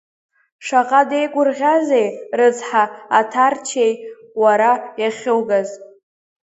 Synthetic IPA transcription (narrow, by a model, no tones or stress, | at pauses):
ʂaqʼade̞jkʷʼʊrʁʲaze̞jrɨt͡sħaatʰart͡ʃʰej | waɾajaχʲɪwɡaz